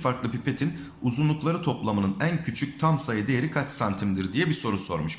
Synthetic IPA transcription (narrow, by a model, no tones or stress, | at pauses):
faɾklˠɯpipe̞t̪ʰin | uzunlˠuklˠaɾɯt̪ʰo̞plˠamɯnɯnæncʰyt͡ʃʰyc̚t̪ʰamsajɯd̪e̞jeɾikʰat͡ʃsant̪ʰimd̪iɾd̪ijɛbiso̞ɾuso̞̰ɾmɯʃ